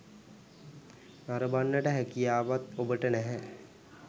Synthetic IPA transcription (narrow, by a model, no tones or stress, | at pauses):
naɾəbanːəʈəɦækijaːʋat̪obəʈənɛɦɛ